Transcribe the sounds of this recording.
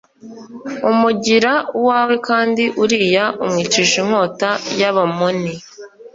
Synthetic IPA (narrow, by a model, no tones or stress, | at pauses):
umuɟiɾauwaːwe̞kaːndiʔuɾiːjaʔumŋiːt͡ʃiːʃiŋ̥ho̞ːtajaβamoni